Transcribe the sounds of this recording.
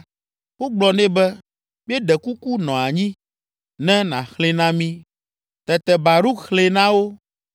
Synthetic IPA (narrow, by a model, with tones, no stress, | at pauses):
wo˦ɡ͡blɔ˨nɛ̃˦bɛ˦ | mi˦e˦ɖɛ˨ku˦ku˦nɔ̃˨a˨ɲĩ˦ | nɛ̃˦nã̰˨xle˦nã˦mĩ˦ | t̪ɛ˨t̪ɛ˨ba˨ɾu˦xle˦nã˦wo˦